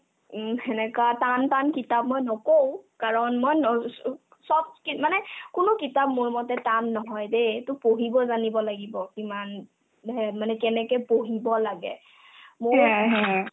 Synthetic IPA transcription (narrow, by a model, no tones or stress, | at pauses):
hɛnɛkatantankitap̚mɔjnɔkow̃kaɹɔnmojnɔ | sɔb̚kimanɛkʊnʊkitap̚mʊɹmɔtɛtanːɔɦɔjdetʊpoɦibɔzanibɔlaɡibɔkiman | ɛmanɛkɛnɛkɛpoɦibɔlaɡɛ̰ | moɹɦ